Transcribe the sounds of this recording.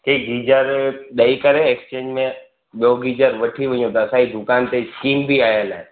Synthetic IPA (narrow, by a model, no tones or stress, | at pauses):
keɡid͡ʒəɾɗəikəɾeːkst͡ʃẽːɲd͡ʒmẽ | ɓjoːɡid͡ʒəɾʋəʈʰiʋə̃jõt̪ɐːsaːɦid̪ʊkaːnt̪eskiːmbʱiaːjəla